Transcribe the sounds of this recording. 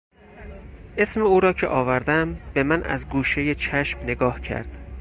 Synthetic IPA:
ʔe̞smeuːɾɒːcʰeʔɒːvæɾd̪æmb̥e̞mænʔæ̰zɡuːʃe̞jet͡ʃʰæʃmne̞ɡɒːhcʰæ̰ɾd̪̥

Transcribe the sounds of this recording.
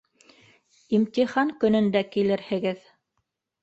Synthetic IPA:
imt̪iχɑŋkɵ̆nɵ̆nd̪ækilɘɾhɘ̆ɡɘð

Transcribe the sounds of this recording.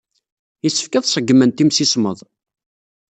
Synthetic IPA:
jisːə̥fkæðˤsˤəɡːmənt̪imsisməðˤ

